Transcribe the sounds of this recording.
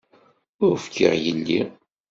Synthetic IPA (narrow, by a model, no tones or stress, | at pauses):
ʊɾfkʰːə̰ʁjənːi